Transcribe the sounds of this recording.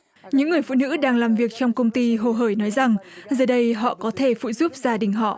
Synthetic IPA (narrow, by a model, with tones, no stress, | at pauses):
ɲɨ̰˧˥ŋːɨ˨˩əjfṵ˧˨nɨ̰˧˥ɗaː˧ŋlaː˨˩mvi˨˩ək̚t͡ɕɔ˧wŋ͡mkə˧wŋ͡mt̪i˧ɦo˨˧˩ɦəː˧˩jnɔ˨˦jza˨˩ŋzəː˨˩ɗə˧jɦɔ̰˧˨kɔ˨˦t̪ʰe˧˩fṵ˧˨zu˦˥p̚z̥aː˧˩ɗï˨˩ŋ̟ɦɔ̰˧˨ʔ